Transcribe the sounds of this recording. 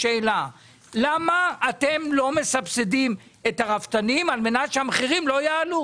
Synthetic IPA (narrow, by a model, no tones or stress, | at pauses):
ʃeːla | lamaːt̪emlo̞me̞sapsedim | etaʁavt̪animalme̞natʃeamχiʁimlo̞jaːlu